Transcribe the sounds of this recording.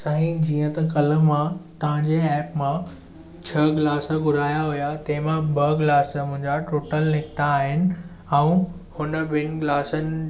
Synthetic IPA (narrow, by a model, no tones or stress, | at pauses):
saɦĩd͡ʑiːə̃t̪ɐkɐlə̆mãt̪ɐʋ̤ãɲd͡ʑeɛːpmã | t͡ɕʰɐɡɪlaːsəɡʊɾaːjaɦʊjat̪ɐ̃ɦɪ̃mãbʱɐɡlaːsəmʊ̃ɦɪ̃ɲd͡ʑaʈoːʈəlnɪkʰɪt̪aːɦɪnɪ̆ | ɛ̃ũhʊnə̆bɪnɪ̆ɡlaːsənɪ̆